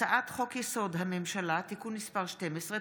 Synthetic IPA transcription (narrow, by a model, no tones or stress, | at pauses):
aʔat̪χo̞kjeso̞dɦamemʃalatikunːispaʁʃtemesʁe